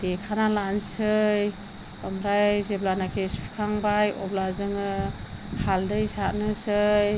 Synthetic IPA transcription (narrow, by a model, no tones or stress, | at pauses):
d̥ekʰanalansɯj | ɔmɾajzeblanakʰesu̥kʰaŋbajɔ̰blazɯŋɯhaldɯjsat̚nɯsɯj